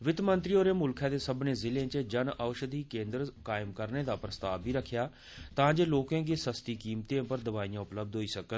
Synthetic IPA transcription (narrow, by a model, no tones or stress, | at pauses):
ʋɪt̪mə̃nt̪ɾiːoːɾeːmʊlkʰãːd̪eːsəbnẽːzɪlẽːt͡ʃəd͡ʒənəʊʃəd̪ʱiːkẽːnd̪ɾkaːɪmkəɾneːd̪aːpɾəst̪aːbʱiːɾəkʰːjaː | t̪ãːd͡ʒeːloːkãːɡeːsəst̪iːkiːmt̪ẽːpəɾd̪əʋaːijãːʊpləb̚d̪ɦoːiːsəkə